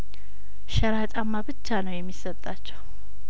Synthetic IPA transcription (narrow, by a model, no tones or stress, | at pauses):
ʃəɾat͡ʃʼamːabɨt͡ʃːanəwjɛmːisːət̪ʼːat͡ʃːɛw